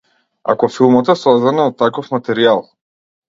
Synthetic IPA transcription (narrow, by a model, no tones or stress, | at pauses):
a̰kɔfilˠmɔt̪ɛsɔzd̪anaɔt̪ːakɔfmat̪ɛɾialˠ